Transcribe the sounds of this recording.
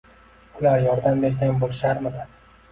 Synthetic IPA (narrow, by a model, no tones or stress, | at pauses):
ʊlaɾjɒɾd̪ambe̞ɾsʲaŋbolˠɪʃaɾmɪd̪ɪ